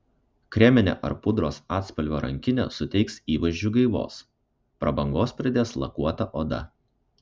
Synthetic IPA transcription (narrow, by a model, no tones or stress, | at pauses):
kɾʲɛmʲɪnʲḛːʔɐ̰ɾpʊd̪ɾoːsɑːt̪spɐlʲʋʲoːɾʔɐ̰ŋʲkʲɪnʲḛːsʊt̪ʲɛɪksiːʋɐʒʲd͡ʒʲʊɡɐɪʋo̰ːs | pɾɐbɐŋɡoːspʲɾʲɪd̪ʲeːslˠɐ̰kuɔt̪ɐʔoːd̪ɐ̰